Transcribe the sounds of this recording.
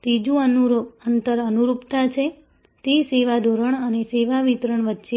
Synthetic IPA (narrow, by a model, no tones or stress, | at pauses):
t̪id͡ʒũəuɾənt̪əɾənuɾupt̪at͡ʃʰe | t̪eseʋad̪ʱoɾəɳəneseʋaʋit̪ɾəɳʋətːʃe